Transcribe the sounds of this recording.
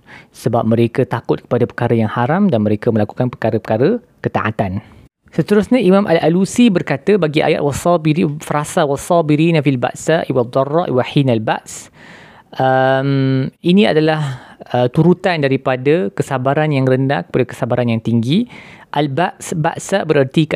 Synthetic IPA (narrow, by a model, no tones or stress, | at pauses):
səbap̚mə̃ɾekət̪akʊt̪̚kə̥padapəkaɾəjaŋhaɾamdanməɾekəmə̃laku̥kanpəkaɾəpəkaɾə | kət̪aʔa̰t̪an | sət̪əɾʊsɲaimãmʔa̰lalusibərkat̪əbaɡiʔa̰ja̰t̪wasɔbiifɾasawasɔbiɾinafilba̰ʔsaʔiwad̪ˤːɔrːɑ̰ʔiwaħinalbaʔs | ʔəminĩa̰dalahət̪uɾut̪andaɾipadəkəsabaɾanjaŋrənda̰hkə̥padakə̥sabaɾanjaŋt̪iŋɡiʔalbaʔsba̰ʔsabəɾərt̪i